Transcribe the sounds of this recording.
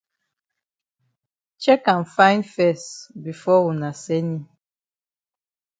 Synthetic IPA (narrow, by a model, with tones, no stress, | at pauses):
t͡ʃɛ˦kã˨nfã˦ɪ̃nfɛ˦˨sbi˨fɔ˦wu˨na˨sɛ˦ni˦